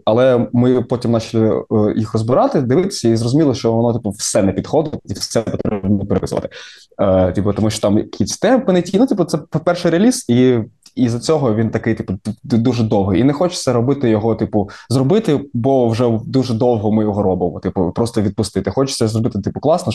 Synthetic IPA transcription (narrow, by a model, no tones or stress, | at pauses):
ɐlˠɛmɪpɔtʲimnɑt͡ʃɐlʲˠɪjixrɔzbɪɾɑt̪ɪd̪ɪʋɪt̪ɪ̥sʲɐizrɔzʊmʲilˠɪʃt͡ʃɔʋɔnɔt̪ɪpʊwsɛnɛpʲid̪̥xɔd̪ɪtʲiwsɛpɔt̪ɾɾɛbnɔpeɾeʋɪ̰zʊ̰ʋɐ̰t̪ɪ | tʲipɔt̪ɔmuʃt͡ʃɔ̥t̪ɑmkʲʰisʲt̪ɛmpɪnetʲijnʊut̪ʲipʊt̪sɛppɛrʃɪɾeɐlʲisiizɐt͡sʲɔɦɔʋʲint̪ɐkɪjt̪ɪpʊd̪uʒɛd̪ɔwɦɪjinɛxɔt͡ʃɪ̥sʲɛɾɔbɪt̪ɪjɔɦɔt̪ɪpʊzrɔbɪt̪ɪbɔwʒɛd̪uʒɛd̪ɔwɦɔmɪjɔɦɔɾɔbɪmɔ̰t̪ipʊpɾɔst̪ɔʋʲid̪̚pʊst̪ɪt̪ɪxɔt͡ʃɪ̥sɛzɾrɔbɪt̪ɪt̪ɪpʊklˠɑsnɔ